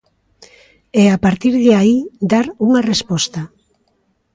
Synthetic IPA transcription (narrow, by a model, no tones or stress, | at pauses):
eapaɾt̪iɾðeaid̪aɾuŋarespost̪a